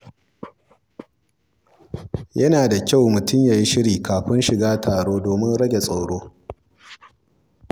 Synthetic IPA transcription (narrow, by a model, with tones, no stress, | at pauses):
jɐ˦naː˨da˨kʲa˦˨wmʊ˨tʊ˦mjaː˨ji˦ʃɪ˦ɽiː˨kaː˨ɸɪ˦nʃɪ˨ɡaː˦tʰaː˨ɽoː˦doː˨mɪ˦nɽɐ˦ɡʲe˨sʼa˨wɽoː˦